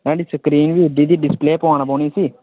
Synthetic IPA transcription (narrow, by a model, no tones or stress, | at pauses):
ɾɛ̃ːɖiːsəkɾiːnʋiːɖid̪iːɖɪspleːpõːnaːboːniːsiː